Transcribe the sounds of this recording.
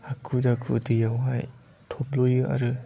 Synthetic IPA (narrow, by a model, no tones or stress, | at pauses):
hakʰudakʰṵdɯjawɦaj | tʰoplojɯʔa̰ɾɯ